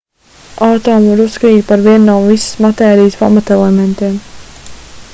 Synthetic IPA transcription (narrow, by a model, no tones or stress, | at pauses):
aːt̪ɔːmvaɾuskɾiːt̪̚paɾviɛnːaːmvisə̥smat̪ɛːɾijspa̰mat̪ɛlˠɛmɛ̃nt̪iɛm